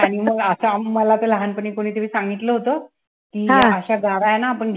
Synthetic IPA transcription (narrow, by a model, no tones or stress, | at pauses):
aɽ̃iməɡəsamːəlat̪ələɦanpəɳiːkoɽ̃iːt̪əʋiːsaŋɡʱit̪ləɦot̪ə | kiːəɕaɡaɾajenaːpəɳɡʱ